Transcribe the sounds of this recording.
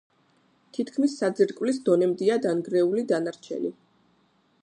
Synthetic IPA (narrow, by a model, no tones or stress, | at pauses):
t̪ʰit̪ʰkʰmisːad̪zɛɾkʼvlisd̪ɔnɛmd̪iad̪anɡɾɛulid̪anaɾt͡ʃʰɛ̰li